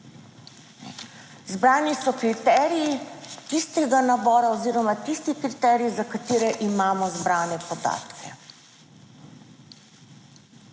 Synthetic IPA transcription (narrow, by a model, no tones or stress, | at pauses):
zbɾaːnisɔkɾit̪ɛɾijit̪ist̪ɛɡanabɔːɾaɔziːɾɔmat̪ist̪ixkɾit̪ɛːɾijizakat̪iːɾɛʔimaːmɔzbɾaːnɛpɔd̪a̰ːt̪kʰɛ